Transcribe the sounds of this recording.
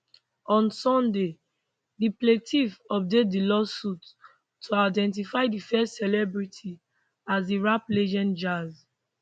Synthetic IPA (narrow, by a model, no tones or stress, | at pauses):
ɔ̃nsɔ̃nde | dipletʰifɔp̚det̚dilɔsutʰː | oaɪdɛ̃nt̬ifaɪdifɛstsɛlɛbɹitʰi | azdiɹapled͡ʒɔ̃nd͡ʒaz